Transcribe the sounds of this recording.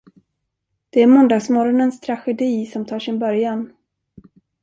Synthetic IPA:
d̪̥ɛæɾmɔnd̪ɑːɡsmɔɾɔnənst̪ʰɾaɧɛd̪iːsɔmt̪ʰɑːʂɪnbœɾjan

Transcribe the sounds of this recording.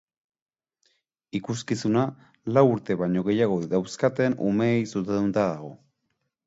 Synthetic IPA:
ikuskisuna | lawuɾt̪e̞βaɲo̞ɣe̞jaɣ̞o̞iðawskat̪e̞nṵmeːjsus̬end̪unt̪aðaɣ̞o̞

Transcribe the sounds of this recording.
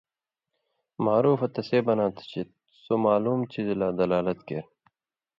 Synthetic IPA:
maːɾuːfɐt̪ɐseːbɐnãːt̪ʰt͡ɕʰit̪ | somaːluːmt͡ɕizlaːd̪ɐlaːlɐt̪kḛɾ

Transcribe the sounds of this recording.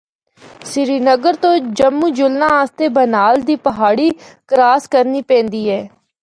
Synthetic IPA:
sɪɾiːnəɡəɾt̪õːd͡ʒəmːũːd͡ʒʊlnãːaːst̪eːbənaːld̪iːpəɦaːɽiːkəɾaːskəɾniːpɛ̃ːnd̪iːɛː

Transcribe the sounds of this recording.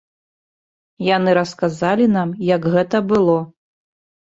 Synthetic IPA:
janɨɾɐskazalʲinamjɐɡɣɛt̪ɐbɨlˠɔ

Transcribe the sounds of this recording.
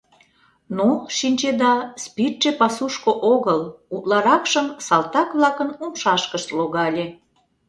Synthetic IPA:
noʃinʲt͡ɕed̪ɑspirʃepɑsuʃkoʔoɣəlut̪lɑɾɑkʃəmsɑlˠt̪ɑkβlɑkənumʃɑʃkəʃt̪loɣɑlʲe

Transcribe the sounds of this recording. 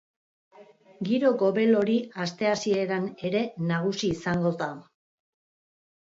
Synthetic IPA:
ɡiɾo̞ɣo̞βe̞lo̞ɾiast̪e̞asie̞ɾane̞ɾe̞naɣ̞usiːsaŋɡo̞ða

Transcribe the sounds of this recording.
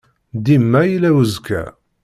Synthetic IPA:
d̪imːæjilæwəzkæ̰

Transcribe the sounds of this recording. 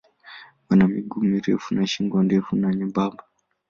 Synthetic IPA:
ʋanamiɡʱumiɾḛfunaʃiŋɡwandefunaɲebaːmba

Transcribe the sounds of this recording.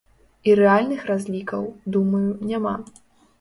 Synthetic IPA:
iɾɛalʲnɨxrazʲlʲikɐwd̪umɐjunʲama

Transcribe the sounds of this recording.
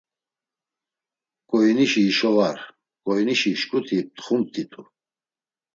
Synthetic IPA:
kʼɔjniʃiːʃɔvaɾ | kʼɔjniʃiʃkʼut̪ʰip̚t̪χumt̪ʰʼit̪ʰu

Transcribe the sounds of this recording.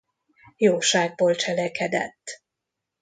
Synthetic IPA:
joːʃaːɡ̚boːlt͡ʃɛlɛkʰɛd̪ɛ̰t̪ː

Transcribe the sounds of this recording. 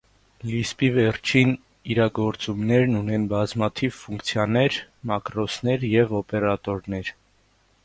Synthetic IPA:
lispivɛrt͡ʃʰin | iɾɑɡɔɾt͡sumnɛɾnunɛnbɑzmɑt̪ʰivfuŋkt͡sʰjɑnɛɾmɑkɾɔsnɛɾjɛvɔpɛɾɑt̪ɔɾnɛɾ

